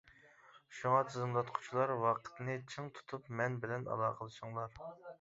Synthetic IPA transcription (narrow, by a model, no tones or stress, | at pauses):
ʃuŋɑt̪ʰɨzɨmlˠɑt̪qʰʊ̥t͡ʃʰilˠɑɾwɑqʰə̥t̪ʰnɨt͡ʃʰəŋt̪ʰu̥t̪ʰupmɛnbɪlɛnɑ̰lˠɑːqʰəlˠɨʃuŋlˠɑɾ